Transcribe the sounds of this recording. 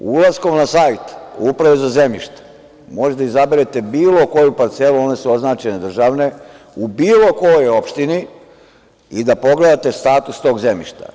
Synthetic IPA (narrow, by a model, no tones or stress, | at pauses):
ulasko̞mnasajt̪upɾaʋezazemiʃt̪ḁ | mo̞ʒed̪aizabeɾet̪ebiːlo̞ko̞jupaɾt̪se̞luo̞ne̞suo̞znaːt͡ʃened̪r̩ʒaːʋne̞ | ubiːlo̞ko̞jojo̞pʃt̪ini | id̪apo̞ɡle̞d̪at̪est̪aːt̪ust̪o̞ːɡzemḭʃt̪a̰